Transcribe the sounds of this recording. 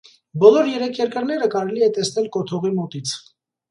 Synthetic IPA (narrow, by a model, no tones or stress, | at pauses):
bɔlɔɾjɛɾɛkʰjɛɾkəɾnɛɾəkɑɾɛliɛt̪ɛsnɛlkɔt̪ʰɔʁimɔt̪it͡sʰ